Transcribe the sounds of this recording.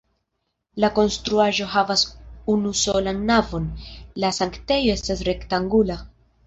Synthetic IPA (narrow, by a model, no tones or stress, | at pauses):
lako̞nstɾuaʒo̞ɦavasunuso̞lanːavo̞nlasaŋkte̞jo̞e̞stasɾe̞ktaŋɡula